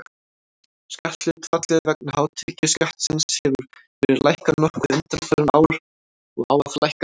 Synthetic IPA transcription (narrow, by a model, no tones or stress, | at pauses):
scaht̪lɪðt̪ʰfat̪lɪðvɛk̚nhaːwt̪ʰɪcɪscaht̪sɪnshɛvʏɾ̥fɛɾɪɾlajhkanɔhkʏðʏnt̪ɾafɛðɪna̰ːwɾ | ɔɣa̰waflajhka